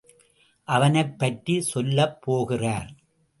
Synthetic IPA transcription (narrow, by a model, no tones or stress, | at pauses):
ʔɐʋɐnɐɪpːɐʈrisɔlːɐpːoːɣɪraːɾ